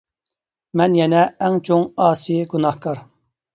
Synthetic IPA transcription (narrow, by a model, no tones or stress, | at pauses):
mɛnjɛnɛɛŋt͡ʃʰoŋɑːsijɡunɑhkʰɑɾ